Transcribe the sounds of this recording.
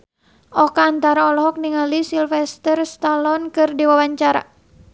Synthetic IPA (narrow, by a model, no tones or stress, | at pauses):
ʔɔkaːnt̪aɾaɔlɔɦɔk̚niŋalisilfɛst̪ərst̪alɔnkɨrdiwawaɲt͡ʃaɾa̰